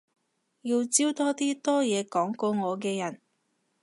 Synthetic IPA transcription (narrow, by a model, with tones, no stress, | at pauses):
ji˧wt͡siː˥wt̪ɔː˥t̪iː˥t̪ɔː˥jɛː˨˧kɔː˨˥ŋkɔː˧ŋɔː˨˧kɛː˧jɐ˨˩n